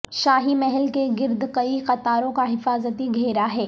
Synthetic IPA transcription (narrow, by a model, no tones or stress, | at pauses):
ʃaːɦimɛɦɛlkeɡɪɾd̪ʱkɐiqɐt̪aːɾõkaɦɪfaːzət̪iɡʱeːɾaɦɛː